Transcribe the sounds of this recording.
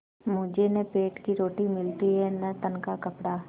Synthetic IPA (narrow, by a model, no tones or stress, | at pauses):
mʊ̃ːd͡ʒenẽpeːʈkiɾoːʈimɪlt̪iɦɛnɐt̪ənkakɐpɽaː